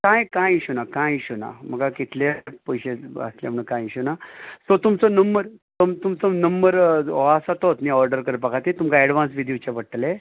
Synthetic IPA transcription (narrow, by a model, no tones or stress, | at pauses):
kãjkãjiɕunakãjɕuna̰məɡakit̪lepəjɕeə̰slja̰m̤əɳ̃ũkãjiɕunasot̪umt͡sonəmbəɾt̪omt̪umt͡sonəmbəɾasat̪ot̪niɔɾɖəɾkəɾpəkʰat̪it̪umkaɛɽʋãnsʋid̪jit͡ɕapəɽʈle